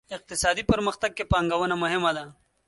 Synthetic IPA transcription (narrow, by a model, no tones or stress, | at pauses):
ɪq̚t̪ɪsɑd̪ipəɾməxt̪aɡ̚kepɑŋɡawənamʊɦɪmad̪a